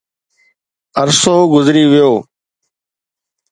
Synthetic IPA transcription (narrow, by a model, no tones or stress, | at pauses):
əɾsoːɡʊzɾiːʋɪjoː